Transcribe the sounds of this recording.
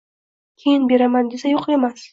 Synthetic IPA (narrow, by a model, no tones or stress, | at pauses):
kʲʰejɪnbe̞ɾamand̪esajoqe̞mas